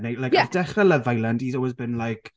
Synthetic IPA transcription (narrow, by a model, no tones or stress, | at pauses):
nejlajkɔðdɛχɛləvajlandizɔwɔzbɨnlajkʰ